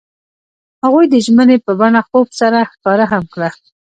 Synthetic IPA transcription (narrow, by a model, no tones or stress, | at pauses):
haɣujd̪əʒmənepəbanaxobsaɾaxkɑɾaɦamkɽa